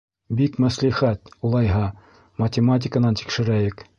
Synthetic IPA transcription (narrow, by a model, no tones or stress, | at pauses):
bikmæsliχæt̪ulˠɑjɦɑ | mɐtʲɪmat̬ʲɪkənɑnt̪i̥kʃɘ̆ɾæjɘk